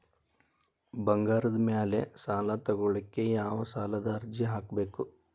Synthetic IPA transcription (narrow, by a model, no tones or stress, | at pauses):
bɐŋɡaːɾud̪mjaːlesaːlɐt̪ɐɡuɭɐkːejaːʋɐsaːlɐd̪ɐːɾd͡ʒiɦaːkbe̞ːku